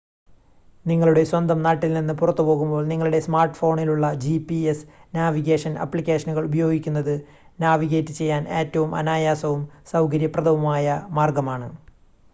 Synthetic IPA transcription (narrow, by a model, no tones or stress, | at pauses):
niŋːɐɭuɽe̞swɐnd̪ʱɐmnaːʈːilninːɨpurɐt̪ːupo̞ːɣumbo̞ːɭniŋːɐɭuɽe̞smaːrʈːɨ̥fo̞ːɳiluɭːɐd͡ʑipiesnaːʋiɣe̞ːʂɐnɐ̰pːɭikʲːe̞ːʂɐnuɣɐɭubɐjo̞ːɡikʲːunːɐðɨ | naːʋiɣe̞ːtːɨt͡ɕe̞jːaːne̞ːtːɐʋumʔɐ̰naːjaːsɐʋumsɐwkɐɾjɐprɐðɐʋumaːjɐmaːrɡɐmaːɳɨ